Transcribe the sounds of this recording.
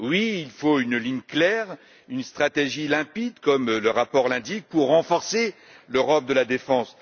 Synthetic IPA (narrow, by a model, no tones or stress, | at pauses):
wiilfoynliɲklɛʁ | ynst̪χat̪eʒilɛ̃pid̪kɔmləʁapɔʁlɛ̃d̪ik̚puʁːɑ̃fɔʁse | løʁɔp̚d̪əlad̪efɑ̃s